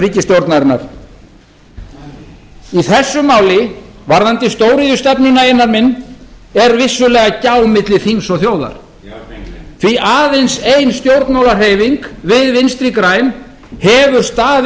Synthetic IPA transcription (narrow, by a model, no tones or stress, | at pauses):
riːcɪst̪jowɾt̪naɾɪna̰ɾ̥ | iθɛsːʏmaːwlɪvaɾðant̪ɪst̪oːwɾiðʏst̪ɛpnʏnaenːaɾmɪnːɛɾvɪsːʏlɛːɣacaːwmɪt̪lɪθiŋsɔɣθjoːwða̰ɾ̥ | θviʔaːðejnsejnst̪jowɾt̪nawlar̥ɦeːjviŋkvɪðvɪnst̪ɾikɾaːjn | hɛvʏɾ̥st̪aːð